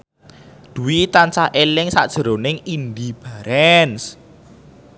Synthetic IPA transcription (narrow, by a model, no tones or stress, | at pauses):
d̪̥uwit̪ant͡ʃahʔelɪŋsa̰ʔd̥ʒ̥ə̤ɾonɪŋind̪ib̥aɾɛns